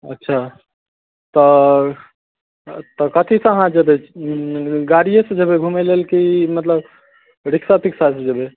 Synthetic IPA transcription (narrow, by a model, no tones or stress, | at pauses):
ə̰tːʃʰa | t̪ɔ | t̪ɔkət̪ʰisə̃əɦãd͡ʒebe | ɡaɾijesẽd͡ʒebeɡʱumelelkimət̪ləb | ɾiksapiksasẽd͡ʒebe